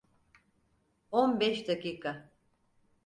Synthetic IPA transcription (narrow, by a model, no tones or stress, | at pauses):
onbɛʃd̪akiːkʰa